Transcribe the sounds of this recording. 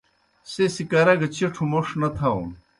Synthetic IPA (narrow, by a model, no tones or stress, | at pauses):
sesikaɾɐɡɐt͡ɕiʈ͡ʂʰumoʂnɐt̪ʰaṵn